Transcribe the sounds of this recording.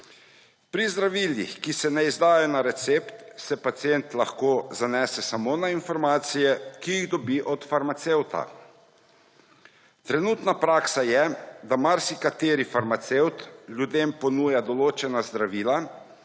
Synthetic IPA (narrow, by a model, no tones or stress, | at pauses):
pɾizd̪ɾaʋiːljḭxkisɛnɛizd̪aːjanaɾɛt̪seːpt̪sɛpat̪sijent̪laxkoːzanɛsɛsamoːnainfɔɾmaːt̪sijɛkiiɣd̪ɔbiʔɔt̪faɾmat̪sewt̪a̰ | t̪ɾɛnuːt̪napɾaːksajɛd̪amaɾsikat̪eːɾifaɾmat̪sewt̪ljud̪eːmpɔnuːjad̪ɔloːt͡ʃɛnazd̪ɾaʋiːla